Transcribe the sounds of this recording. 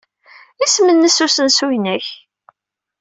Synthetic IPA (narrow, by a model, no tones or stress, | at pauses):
ismənːəsusənsujnæç